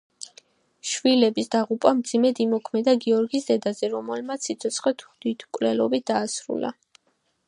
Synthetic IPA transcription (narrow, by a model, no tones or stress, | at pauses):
ʃvilɛbisd̪aʁupʼamd̪zimɛd̪imɔkʰmɛd̪aɡiɔɾɡisd̪ɛd̪azɛɾɔmɛlmat̪sʰːit̪sʰɔt̪sʰχɛt̪ʰd̪̥it̪ʰkʼvlɛlɔbit̪̚d̪̥aːsɾṵla̰